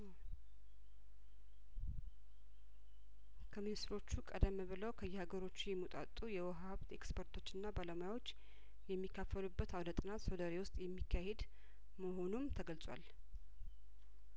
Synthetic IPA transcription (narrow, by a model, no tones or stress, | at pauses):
kʰəminɨst̪ɾo̞t͡ʃːukʼəd̪əmːβɨləwkʰəjːɛhaɡəɾo̞t͡ʃːujɛmut̪ʼa̰t̪ʼːujɛwɔɦβt̪e̞kspʰəɾt̪ʰo̞t͡ʃːɨnːabaləmojawo̞t͡ʃː | jɛmːikːafːəlubːət̪awd̪ət̪ʼɨnat̪sod̪əɾewʊst̪ʼjɛmːikʰːahe̞d̪ | məɦo̞numt̪ʰəɡəlsʼwa̰l